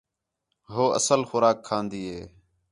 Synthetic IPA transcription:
ɦoːʔə̰səlxʊɾaːkʰːaːnd̪iːɦeː

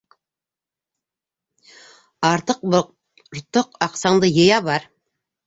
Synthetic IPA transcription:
ɑɾt̪ɤq̚b | ɾt̪oqɑqsɑɴd̪ɤjɤ̆jɑbɑɾ

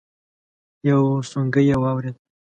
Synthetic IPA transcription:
jawsuŋɡəjewɑwɾed̪

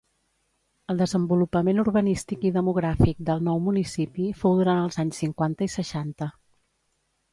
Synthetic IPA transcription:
əlˠd̪əzəmbulupəmenuɾβənist̪ikiðəmuɣ̞ɾafik̚d̪əlˠnɔwmunisipifowðuɾant̪əlˠzaɲsːiŋkwant̪əisəʃant̪ə

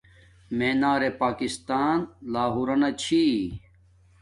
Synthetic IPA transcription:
meːnaːɾepaːkist̪aːnlaːɦuɾɐnɐt͡ɕʰi

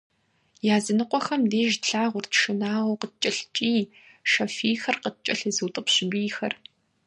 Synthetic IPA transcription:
jaːzɨnɨqʷɔxɐmdeːʒɬaːʁʷʊrtʰʃɨnaːʁoqət͡ʃʼɐɬt͡ʃʼiː | ʃɐfiːxɐrqət͡ʃʼɐɬɨzɨwtʼɨpɕbiːxɐ̰r

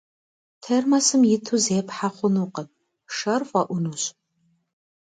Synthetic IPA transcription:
tʰermɐsɨmjɪtʰuzeːpħaχʷʊnuqɐp̚ | ʂɐrfʷʼɐʔʷʊnuɕʼ

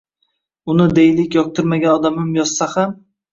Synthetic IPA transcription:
ʊnɪd̪ejlɪkʲjɒk̚t̪ʰɪɾmaɡʲanɒd̪amɪmjɒz̥saham

